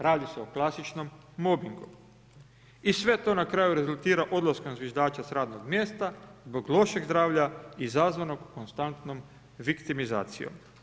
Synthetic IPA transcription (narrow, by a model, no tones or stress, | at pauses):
ɾaːd̪ise̞oklˠasit͡ʃno̞mː | obiŋɡu | isʋe̞t̪o̞ːnakɾajuɾe̞zulˠt̪iːɾaʔo̞d̪lˠaskomzʋjeʒd̪aːt͡ʃasɾaːd̪no̞ɡmje̞ːst̪azbo̞ɡlˠo̞ʃe̞ɡzd̪ɾaːʋʎaizazʋano̞ɡkonst̪ant̪no̞m | ʋikt̪imiza̰ːt̪sḭjo̰m